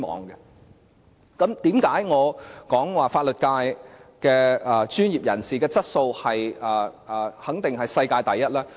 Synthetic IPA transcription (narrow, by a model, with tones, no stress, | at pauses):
mɔ̰ː˨˧ŋɡɛ˧ | kɐ˨˥mt̪iː˨˥mkaː˨˥jŋɔː˨˧kɔː˨˥ŋwaː˨faː˧t̚lɵ˨t̚kaː˧jkɛː˧ɛː˨˩t͡ʃyː˥njiː˨p̚jɐ˨˩nsiː˨˩kɛː˧t͡sɐ˥t̚so˧whɐ˨jɛː˨˩hɐ˨˥ŋt̪ɪ˨ŋhɐ˨jsɐ˧jkaː˧jt̪ɐ˨jːɐ˥t̚lɛː˥